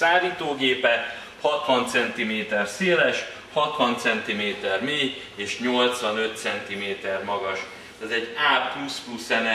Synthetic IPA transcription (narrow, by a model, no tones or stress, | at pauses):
aːliːt̪oːɡeːpɛ | hɒt̪ʋɒnt̪sɛnt̪imeːt̪ɛrseːlɛʃ | hɒt̪ʋɒnt̪sɛnt̪imeːt̪ɛrmeː | eːʃɲo̞lt̪sʋɒnø̞t̪sɛnt̪imeːt̪ɛrmɒɡɒʃ | t̪ɛzɛɟːaːplusplusɛnɛ